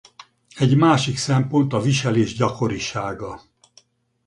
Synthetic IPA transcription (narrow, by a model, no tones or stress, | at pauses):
ɛɟmaːʃiksɛmpo̞nt̪ɒviʃɛleːʒɟɒko̞ɾiʃaːɡɒ